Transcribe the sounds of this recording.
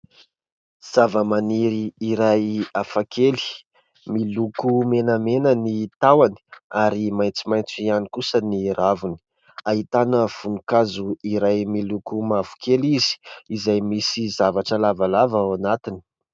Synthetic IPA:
z̥avəmaniɾiːɾajafakʰeli̥ | milukumenamenənit̪awani̥aɾimajnt͡simajnt͡sianikusəniravuni̥ | aɦit̪anəv̥unukazuiɾajmilukumavu̥kʰelizi̥izajmisizavaʈ͡ʂəlavalavəanat̪ini̥

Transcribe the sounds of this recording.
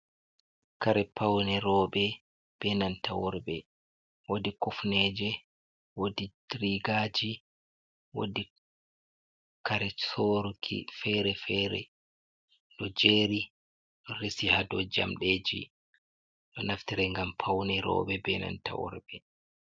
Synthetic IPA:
kaɾɛpʰawnɛɾɔːɓɛ | b̥ɛnantawɔɾbɛ | wodikɔfnɛd͡ʒɛ | wodidɾiɡaːd͡ʒi | wo̰di | kaɾɛsoɾkʰḭfɛɾɛfɛɾɛ̰ | ɗɔd͡ʒeːɾi | ɗɔɾisihadɔd͡ʒa̰mɗeːd͡ʒḭ | ɗɔnaftiɾɛŋɡampʰawnɛɾɔ̰ːɓɛbɛna̰nta̰wɔ̰ɾbɛ

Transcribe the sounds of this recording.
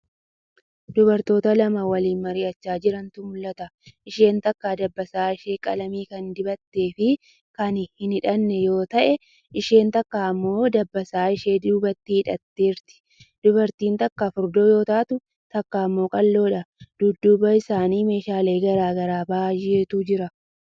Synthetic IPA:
d̪ʊbɐɾt̪o̞ːt̪ɐlɐmɐwɐliːnmɐɾɪɐt͡ʃːaːd͡ʒɪɾɐnt̪ʊmʊlːɐt̪ɐʔɪʃe̞ːnt̪ɐkːaːd̪ɐbːɐsaːɪʃe̞ːkʼɐ̰lɐmiːkɐnd̪ɪbɐt̪ːe̞ːfɪ | kɐnhɪnɪᶑɐnːɛjo̞ːt̪ɐʔɛ | ʔɪʃe̞ːnt̪ɐkːaːɐmːo̞ːd̪ɐbːɐsaːɪʃe̞ːd̪uːbɐt̪ːiːhɪᶑɐt̪ːe̞ːɾt̪ɪ̥ | d̪̥ʊbɐɾt̪iːnt̪ɐkːaːfʊɾd̪o̞ːjo̞ːt̪aːt̪ʊ | t̪ɐkːaːmːo̞ːkʼɐlːo̞ːᶑɐd̪̥ʊd̪ːuːbɐɪsaːniːme̞ːʃaːle̞ːɡɐɾaːɡɐɾaːbaaːjɪeːt̪uːd͡ʒɪɾɐ

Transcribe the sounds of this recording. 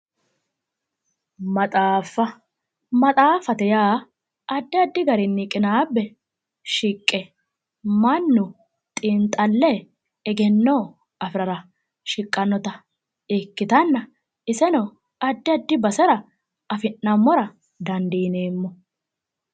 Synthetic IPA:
mɐt̪ʼaːfːɐ | mɐt̪ʼaːfɐt̪ɛjaː | ɐd̪ːɪɐd̪ːɪɡɐɾɪnːɪkʼɪnaːbːɛ | ʃɪkʼːɛ | mɐnːʊ | t̪ʼɪnt̪ʼɐlːɛ | ɛɡɛnːoː | ɐfɾɐɾɐ | ʃɪkʼːɐnːɔt̪ɐ | ɪkːɪt̪ɐnːɐ | ɪsɛnɔ | ɐd̪ːɪɐd̪ːɪbɐsɛɾɐ | ɐfɪnːɐmːɔɾɐ | d̪ɐnd̪iːneːmːɔ

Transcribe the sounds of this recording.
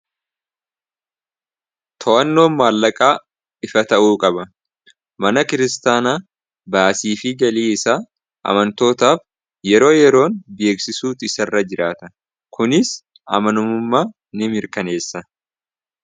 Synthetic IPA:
t̪ʰɔʔɐnːo̞ːnmːaːlːɐkʼaː | ɪfɐt̪ɐʔuːkʼɐbɐ | mɐnɐkɪɾɪst̪aːnaː | baːsiːfɪɡɐliːɪsaː | ʔɐ̰mɐnt̪o̞ːt̪aːf | jɛɾo̞ːjɛɾo̞ːnbeːksɪsuːt̪ɪsɐrːɐd͡ʒɪɾaːt̪ɐ | kʊnɪs | ɐ̰mɐnʊmʊmːaː | nɪmɪɾkɐne̞ːsːɐ

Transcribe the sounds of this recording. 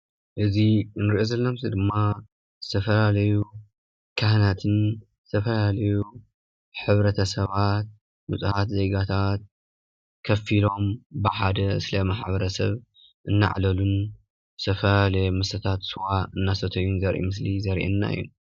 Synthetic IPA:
ʔɨzinɨɾiʔozɐlːɐmɨsid̪ɨmːa | zɨt̪ʰɐfɐlalɐju | kʰahnat̪ʰɨnzɨ̥t̪ʰɐfɐlalɐju | ħɨβɾɐt̪ʰɐsɐβat̪̚ | mut͡sʼɨhat̪ze̞ɡat̪ʰat̪̚ | kʰɐfilo̞mbɨħad̪ɐɨ̰slɐmaħbɐɾɐsɐβ | ʔɨnːa̰ʕlɐlun | zɨ̥t̪ʰɐfɐlalɐjmɨsɐt̪ʰat̪sɨwaɨnːasɐt̪ʰɐjːunzɐɾʔḭmɨslizɐɾʔɛ̰nːa̰jːṵ

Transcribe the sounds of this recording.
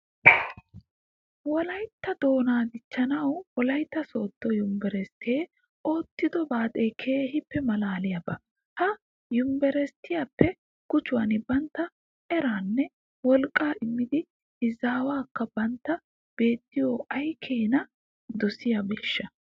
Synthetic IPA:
wɔlɐjt̪ːɐd̪o̞ːnaːd̪ɪt͡ʃːɐnɐwwɔlɐjt̪ːɐso̞ːt̪ːɔjʊmbɛɾɛst̪eː | o̞ːt̪ːɪd̪ɔbaːt̪ʼeːkʰeːhɪpːɛmɐlaːlɪjɐbɐ | hɐ | jʊmbɛɾɛst̪ɪjapːɛ | kʊt͡ʃːʊwɐnɪbɐnt̪ːɐ | ʔɛɾaːnːɛ | wɔlkʼːaːʔɪmːɪd̪ɪ | ɪzaːwaːkːɐbɐnt̪ːɐ | b̥e̞ːt̪ːɪjoːɐjkʰeːnɐ | d̪ɔsɪjabeːʃːɐ

